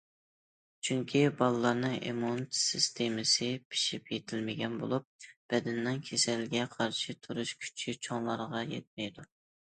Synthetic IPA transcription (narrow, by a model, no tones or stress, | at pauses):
t͡ʃʰyŋkʲʰibɑlˠɨlˠɑɾnɨŋʔḛmunt̪sist̪ʰemɪsɨpʰi̥ʃipjet̪ʰɪlmɪɡʲɛnbo̰lˠup̚b̥ɛd̪ɛnːɨŋkʲʰesɛlɡʲɛqʰɑɾʃit̪ʰuɾuʃkʲʰy̥t͡ʃʰit͡ʃʰoŋlˠɑɾʁɑjɛ̰t̪̚mɛjd̪u